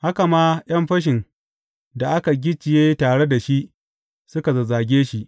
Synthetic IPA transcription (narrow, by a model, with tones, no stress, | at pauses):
ha˦ka˨maː˦j̰ɐ˦mɸɐ˦ʃ̬ɪ˨n | da˨ʔa˦ka˨ɡʲɪ˦t͡ʃɪ˨jeː˦taː˨ɽe˦da˨ʃi˦ʔ | sʊ˦ka˨zɐ˨zaː˨ɡʲeː˦ʃi˦ʔ